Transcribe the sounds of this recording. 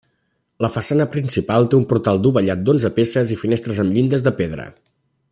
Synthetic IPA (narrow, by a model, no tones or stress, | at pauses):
ləfəsanəpɾinsipalˠt̪eumpuɾt̪alˠd̪uβəʎat̪̚d̪onzəpesəzifinest̪ɾəzəmʎind̪əzðəpeðɾə̰